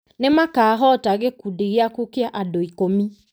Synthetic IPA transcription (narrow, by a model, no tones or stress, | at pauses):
nemakaːɦɔtaɣekudeɣeakukeaʔadoikomi